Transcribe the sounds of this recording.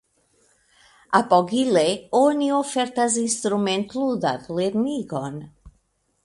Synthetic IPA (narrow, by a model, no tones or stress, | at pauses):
apɔɡileoniofɛɾt̪azinst̪ɾument̪luðat̪leɾniɡɔn